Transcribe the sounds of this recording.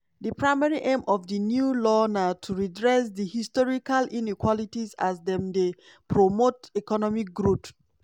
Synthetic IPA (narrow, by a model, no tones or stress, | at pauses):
dəpɹaɪmɛɹiʔẽmʔɔfdinjulɔnatʰuɹidɹɛs̬dihistɔɹikalinikwɔlitiza̰zdɛ̃mde | pʰɹomotikɔnɔmik̚ɡɹut